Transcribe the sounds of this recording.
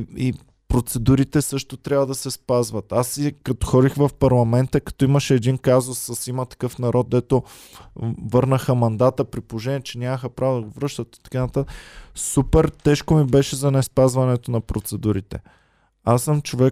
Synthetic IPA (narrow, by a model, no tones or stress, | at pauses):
i | pɾot̪sɛd̪uɾit̪ɛsɤʃt̪ot̪ɾʲjavəd̪ɐsɛspazvət̪asikɐt̪o̥xɔd̪ixvɐfpɐɾlˠɐmɛnt̪əkɐ̥t̪ɔiməʃɛːd̪inkazʊsːəsimət̪ɐ̥kɤfnɐɾɔd̪̚d̪ɛt̪o | vɤɾnəxəmɐnd̪at̪əpɾipooʒɛnʲiɛt͡ʃɛnʲaməxəpɾavod̪ɐɡovɾɤʃt̪ət̪̚i̥t̪ɐ̥kanɐt̪at̪əsupɛɾt̪ɛʃkomibɛʃɛzɐnɛspazvɐnɛt̪onɐpɾot̪sɛd̪uɾit̪ɛ̰ | asːəmt͡ʃovɛ